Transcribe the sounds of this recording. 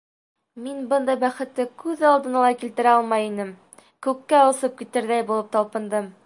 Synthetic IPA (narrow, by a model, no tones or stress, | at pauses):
minbɤnd̪ɑjbæχɘ̆t̪lːɘkʉðɒlˠd̪ɤ̆nɑlˠɑjkilt̪ɘ̆ɾæɒlˠmɑjinɘm | kʉkːæusɤp̚kit̪ɘ̆ɾd̪æjbulˠɤp̚t̪ɒlˠpɤ̆nd̪ɤm